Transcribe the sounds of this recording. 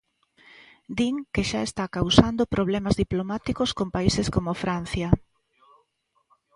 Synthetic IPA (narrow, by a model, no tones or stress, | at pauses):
d̪iŋkeʃaest̪akawsand̪opɾoβ̞lɛmazðiplomat̪ikoskompaiseskomofɾan̟θjɐ